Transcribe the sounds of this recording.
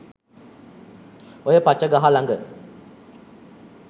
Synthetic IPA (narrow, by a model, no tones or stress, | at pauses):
ojəpat͡ʃːəɡaɦalaŋɡə